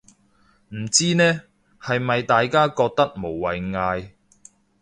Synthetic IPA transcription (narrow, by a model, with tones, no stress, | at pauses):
m̩˨˩t͡siː˥nɛː˥ | hɐ˨jmɐ˨jt̪aː˨jkaː˥kɔː˧k̚t̪ɐ˥k̚mo˨˩wːɐ˨jŋaː˧j